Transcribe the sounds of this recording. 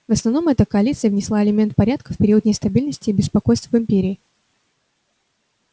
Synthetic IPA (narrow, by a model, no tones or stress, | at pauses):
vəsnɐvno̞mɛt̪əkəɐlʲit̪sɨjəvnʲɪslˠaɪlʲɪmʲe̞nt̪̚pɐɾʲat̪̚kəfpʲɪɾʲiʊət̪nʲɪst̪ɐbʲilʲnəsʲtʲɪːbʲɪspɐkojst̪vvɨmʲpʲeɾʲɪː